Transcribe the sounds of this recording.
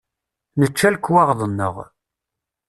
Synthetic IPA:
nət͡ʃːælkːwɑʁðˤənːə̰ʁ

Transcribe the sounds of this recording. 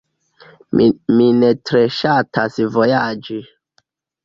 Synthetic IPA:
minetɾeʃatʰasvojad͡ʒi

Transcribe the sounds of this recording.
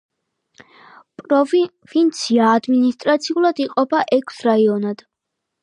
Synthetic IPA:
pʼɾɔ | vint̪sʰiaːd̪minist̪ʼɾat̪sʰiulˠad̪iqʼɔpʰaʔɛkʰsɾaiɔnad̪̥

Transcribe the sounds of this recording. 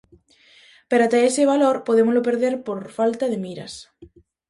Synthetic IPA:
peɾat̪aeseβ̞aloɾpoðemozlopeɾðeɾpoɾfalt̪aðemiɾa̰s

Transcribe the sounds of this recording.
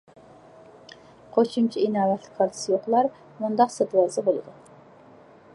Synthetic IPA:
qʰoʃumt͡ʃʰiinɑːvɛt̪lɪ̥kʲqɑɾt̪ʰɨ̥sɨjoχlˠɑɾ | mund̪ɑqset̪lˠɑzɨbolˠɨd̪u

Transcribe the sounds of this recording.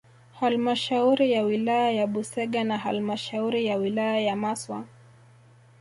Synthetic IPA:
halmaʃauɾijawilajajaɓusɛɠanaha̰lmaʃauɾijawilajajamaswa̰

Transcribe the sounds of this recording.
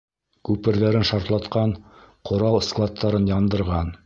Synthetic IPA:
kʉpɘ̆ɾðæɾɘnʃɑɾt̪lˠɑt̪qɑɴqʰŏɾɑw̪ˠsklˠat̪ʰːɑɾɤnjɑnd̪ɤ̆ɾʁɑn

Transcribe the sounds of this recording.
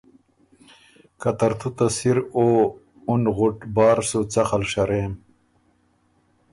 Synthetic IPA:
kat̪ɐɾt̪ʰut̪asiɾoː | unɣuʈbɑːɾsut͡sɐxalʂaɾem

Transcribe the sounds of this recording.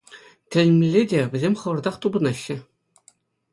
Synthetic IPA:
tʲɘ̆lʲɘmʲelʲːedʲeʋʲɘ̆zʲemʲχɤ̆ʋɤ̆rd̪ɑχt̪ubɤ̆nɑɕːɘ̆

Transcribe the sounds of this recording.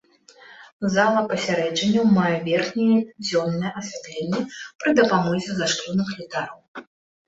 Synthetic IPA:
zalˠɐpɐsʲaɾɛd͡ʐɐnʲːɐwmajɛvʲɛrxnʲɛjɛd͡zʲɔnːɐjɛʔɐsʲvʲat̪lʲenʲːɛpɾɨd̪ɐpamɔzʲɛzaʂt̪ɔnɨxlʲit̪aɾɔw

